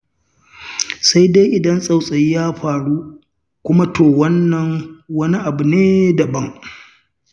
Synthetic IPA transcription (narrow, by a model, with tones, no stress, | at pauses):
sa˦jde˦jʔɪ˨dɐ˦nsʼa˨wsʼɐ˨jjaː˦ɸaː˨ɽuː˦ | kʷʊ˦ma˦tʰoː˨wɐ˦nːɐ˨ŋwɐ˦ni˦ʔa˨bu˨neː˦dɐ˨bɐ˦ŋ